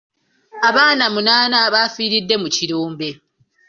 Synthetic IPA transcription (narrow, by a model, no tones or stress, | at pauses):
aβaːnamunaːnaβaːfiːɾidːe̞muciɾuːmbe̞